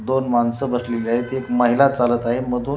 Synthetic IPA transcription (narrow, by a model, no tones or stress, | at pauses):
d̪onmansəbʱəsleliaɦet̪ekməɦilat͡salət̪aɦeməd̪ʱuː